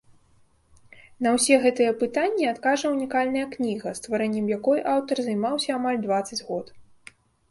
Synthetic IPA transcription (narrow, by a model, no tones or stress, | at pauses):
nɐwsʲɛɣɛt̪ɨjɐpɨt̪anʲːiat̪kaʐɐunʲikalʲnɐjɐknʲiɣɐst̪vaɾɛnʲːɛmjakɔjʔawt̪ɐrzɐjmawsʲɐːmalʲd̪vat̪sːɐd͡zʲɣɔt̪